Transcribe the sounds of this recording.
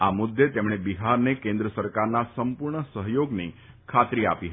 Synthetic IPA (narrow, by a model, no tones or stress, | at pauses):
amʊd̪ːet̪emɽ̃ebiɦaɾnekẽnd̪ɾəsəɾkaɾnasəmpʊɾɳəsəɦjoɡne | kʰat̪ɾia̰piɦə